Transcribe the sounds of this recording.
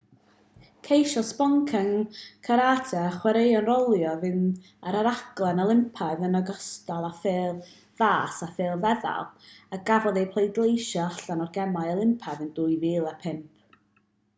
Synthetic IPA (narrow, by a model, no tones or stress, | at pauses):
kʰejʃɔspɔŋkʰəŋkʰaɾaːtʰɛχwɛɾejɔnrɔlˠjɔvɨn | aɾaɾaɡlˠɛnalˠɪmpʰaɨðənɔɡɔstalˠafɪːlˠ | ð̥aːsafɪːlˠvɛða̰lˠaɡ̥avɔðejpʰlˠejdlˠejʃɔaɬanɔrɡɛmaɨəlˠɪmpʰaðɨnduːjviːlˠapʰɪmp̚ʰ